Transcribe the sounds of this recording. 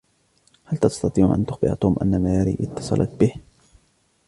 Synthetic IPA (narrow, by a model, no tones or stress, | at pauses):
halt̪ɑst̪ɑt̪ˤiːʕʔa̰nt̪ʊxbɪ̰ʔa̰t̪ˤuːmʔa̰nːamaːjaɾḭːʔɪt̪ːɑ̥sˤɑ̰lʔɑ̰t̪bɪh